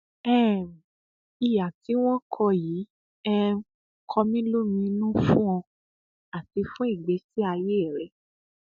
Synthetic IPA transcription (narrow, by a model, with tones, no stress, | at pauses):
ɛ˦˨ | i˨ja˨ti˨˦w̃ɔ̃˦kʰɔ˧ji˨˦ | ɛ˧˦ | kʰɔ˧mĩ˦lo˦mĩ˧nũ˦fũ˦ɔ̃˧ | a˨ti˨˧fũ˦i˦˨ɡ͡be˨˦si˦a˧je˦ɛ˦˨ɾɛ˨˦